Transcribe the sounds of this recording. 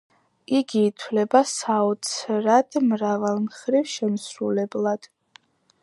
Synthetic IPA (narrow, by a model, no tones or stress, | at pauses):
iɡiːt̪ʰwlɛbasaɔt̪sʰɾad̪̥mɾavalˠmχɾivʃɛmsɾulɛblˠad̪̥